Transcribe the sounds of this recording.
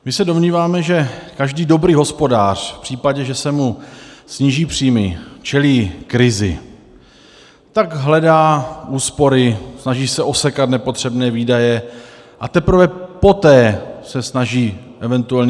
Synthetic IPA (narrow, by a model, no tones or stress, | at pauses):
mɪsɛdo̞mɲiːvaːmɛʒɛkaʒdiːdo̞bɾiːɦo̞spo̞daːr̝̥fpr̥iːpaɟɛʒɛsɛmusɲiːʒiːpr̝̥iːmɪt͡ʃɛliːkɾɪzɪ̰ | t̪aɡɦlɛdaːʔuːspo̞ɾɪsnaʒiːsɛʔo̞sɛkat̪nɛpo̞t̪r̝̥ɛbnɛːviːdajɛ | ʔat̪ɛpɾ̩vɛpo̞t̪ɛːsɛsnaʒiːʔɛvɛnt̪uɛlɲ